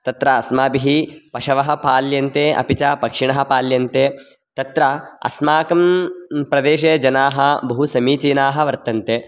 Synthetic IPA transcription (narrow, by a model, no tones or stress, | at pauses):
t̪ɐt̪ɾɐɐsmaːbiɦipɐʃɐʋɐɦɐ̆paːljɐnt̪eːʔɐ̰pit͡ʃɐpɐkʂiɳɐɦɐ̆paːljɐnt̪eː | t̪ɐt̪ɾɐɐ̰smaːkɐmpɾɐd̪eːʃeːd͡ʒɐnaːɦɐbɐɦusɐmiːt͡ʃiːnaːɦɐ̆ʋɐɾt̪ɐnt̪eː